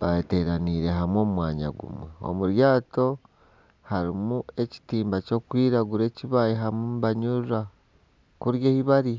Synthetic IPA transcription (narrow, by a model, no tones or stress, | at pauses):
βaete̞ɾaniːɾe̞ɦamwo̞ːmumwaːɲa̰ɡṵmwḛo̞̰muɾjaːto̞ | haɾimue̞ci̥tiːmbaco̞ːkwiːɾaɡuɾe̞ːciβajiɦamumβaɲuɾa | kuɾjeːhiβaɾi